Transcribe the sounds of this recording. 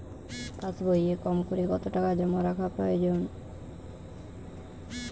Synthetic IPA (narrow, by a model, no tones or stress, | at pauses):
pãsboiekɔmkoɾeɡɔt̪oʈakad͡ʑɔmoɾakʰapɾɔjod͡ʑon